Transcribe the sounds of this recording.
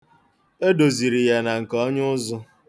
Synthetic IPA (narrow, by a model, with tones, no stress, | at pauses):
e˦do˨zi˨ɾi˨ja˦na˨ŋ̩˨kɔ˦ɲʊ˦ʊ˦zʊ˦